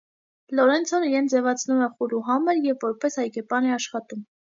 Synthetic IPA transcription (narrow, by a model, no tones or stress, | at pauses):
lɔɾɛnt͡sʰɔniɾɛnʰd͡zɛvɑt͡sʰnumɛχuluɦɑməɾjɛvːɔɾpɛshɑjkɛpɑnɛɑʃχɑt̪um